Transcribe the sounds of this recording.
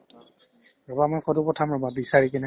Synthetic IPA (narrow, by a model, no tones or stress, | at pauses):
ɹɔbamɔjxɔdupɔtʰamɹɔbabisaɹik̬ɛnɛ